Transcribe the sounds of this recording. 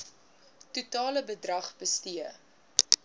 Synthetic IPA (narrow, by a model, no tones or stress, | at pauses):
tutɑːləbədrɐχbəstiə